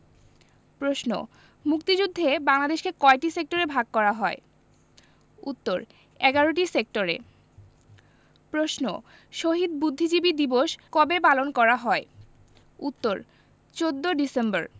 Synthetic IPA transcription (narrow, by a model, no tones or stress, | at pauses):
pɾosno̰ | mukt̪id͡ʑud̪ʱːebaŋlad̪eʃkekɔeʈisek̚ʈoɾebʱaɡ̚kɔɾaɦɔe | ut̪ːoɾ | ɛɡaɾoʈ̬isek̚ʈoɾḛ | pɾosno̰ | ʃoɦid̪̚bud̪ʱːid͡ʑibid̪iboʃkɔbepalonkɔɾaɦɔe | ut̪ːoɾ | t͡ɕod̪ːoɖisembaɾ